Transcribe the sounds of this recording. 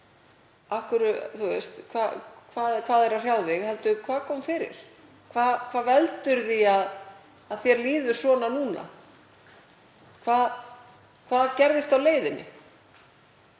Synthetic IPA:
ahkʏɾʏθust̪kʰvakʰvaːðkʰv̥aːðɛɾar̥jawðvɪɣhɛlt̪ʏkʰvaːðkʰɔːmfɪːɾɪ̰ɾ̥ | kʰvaːðkʰvaːvɛlt̪ʏɾðiað | aðθjɛɾliːðʏ̥sɔːnanuːna̰ | kʰvaːð | kʰvaːðcɛɾðɪst̪awleːjðɪnɪ̰

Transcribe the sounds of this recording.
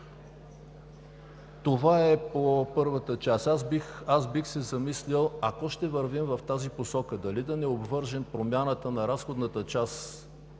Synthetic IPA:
t̪ovaɛpopɤɾvət̪ət͡ʃasaxasbixsɛzɐmislʲilˠɐkɔʃt̪ɛvəɾvimvɐft̪aziposɔkəd̪ɐlid̪ɐnɛobvɤɾʒɛmpɾomʲjanət̪ənɐɾasxod̪nət̪ət͡ʃas

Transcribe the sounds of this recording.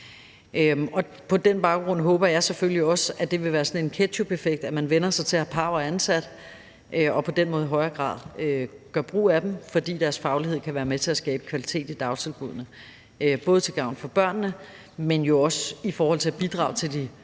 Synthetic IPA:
øɒ̽ | pʰɒ̽d̥enb̥ɑ̈ʊɡ̥ʁɔ̽n̰ɦɔ̽ːb̥ɐjɑ̈ɪseføliɒ̽sæd̥e̝ʋe̝ʋæːɐsɒ̽ne̝nkʰe̥ɕʰubefeɡ̥̚d̥æmænʋenɐsɑ̈ɪt͡sʰe̝læpʰɑ̈ʊɐænsæd̥ | ʔøɒ̽pʰɒ̽d̥enmɔ̽ːð̞ˠiɦɒ̽ɪɐɡ̥ʁɑ̰̈ːðˠøɡ̥ɶɐb̥ʁṵːæd̥emfɒ̽d̥ḭːd̥æɐsfɑ̈ʊliɦe̝ð̰ˠkʰæʋæːɐmet͡sʰe̝æsɡ̥ɛːb̥əkʰʋælit͡sʰe̝̰ːd̥id̥ɑ̈ʊst͡sʰe̝lb̥uð̰ˠnə | øb̥ɔ̽ːðˠt͡sʰe̝lɡ̥ɑ̈ʊ̰nfɒ̽b̥ɶɐ̰nːə | menjo̝ɒ̽sifɒːhɒ̽l̰t͡sʰe̝æb̥id̥ʁɑ̰̈ɑʊt͡sʰe̝ld̥i

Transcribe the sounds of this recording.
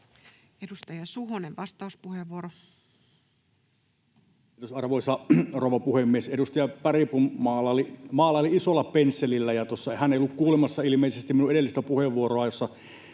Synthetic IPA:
edust̪ɑjɑsuɦoneʋʋɑst̪ɑuspuheʋːuoɾo | et̪osɑrʋoˑisɑroʋɑpuhemːiesedust̪ɑjɑpæripummɑːlːɑlimɑːlːˑɑoliisolːɑpensːelilːæjɑt̪osːɑhæneijolːukkuːlemɑsːɑilimeˑisest̪iminũʔeelːist̪æpuheʋːuoroɑjosːɑ

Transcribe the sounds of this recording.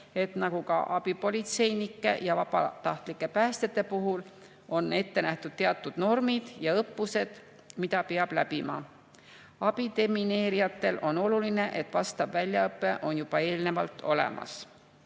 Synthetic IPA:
e̞t̪nɑɡ̥ukɑ̰ʔɑb̥ipo̞lʲit̪se̞jnikːˑe̞̰jɑvɑb̥ɑ̰t̪ɑht̪likːˑe̞pæːst̪et̪ːˑe̞puɦul | o̞ne̞t̪ːe̞næht̪ud̪̥t̪eɑt̪ːˑud̪̥no̞rmid̪̥jɑɤpːuse̞d̪̥ | mid̪ɑpe̞ɑb̥læpimɑ̰ | ɑb̥id̪e̞mine̞ːɾijɑt̪ːe̞lʔo̞no̞luline̞ʔe̞t̪ːvɑst̪ɑvvælʲjɑɤpˑːe̞ʔo̞njub̥ɑe̞ːlne̞vɑlt̪ːo̞̰le̞̰mʔɑ̰s

